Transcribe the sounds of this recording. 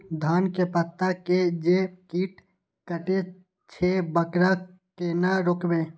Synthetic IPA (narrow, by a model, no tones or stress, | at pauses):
d̪ʱaːnkepət̪ːaked͡ʒekiːʈ | kəʈe | t͡ʃʰebəkɾa | kenaɾʊkbẽː